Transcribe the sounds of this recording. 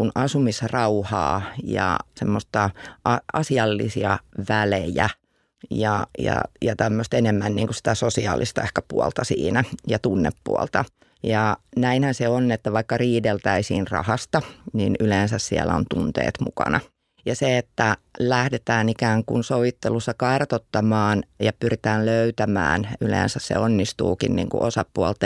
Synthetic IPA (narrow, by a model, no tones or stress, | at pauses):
unʔɑsumisrɑuhɑ̰ːjɑ̰semːost̪ɑʔɑɑ̰siɑlːḭsiɑʋælejæ̰ | jɑjɑ̰jɑt̪æmːøst̪enemːænniːŋkusi̥t̪æsosiɑ̰ːlist̪ɑehkæpuɔlt̪ɑsḭːnæjɑt̪unːḛpːṵɔlt̪ɑ | jɑnæinhænseonːet̪ːæʋɑikːɑriːdelt̪æisiːnrɑ̰hɑst̪ɑninyleːnsæssiæ̰lːæ̰o̰nt̪unt̪ḛːt̪mṵkɑ̰nɑ | jɑseet̪ːælæhdet̪æːnikæːŋkunsoʋit̪ːelusːɑkɑrt̪ot̪ːɑmɑːnjɑpyrit̪æːlløyt̪æmæ̰ːnylḛːnsæssḛonːist̪ṵːkinnḭːŋkṵʔosɑpːuɑlt̪ːɑ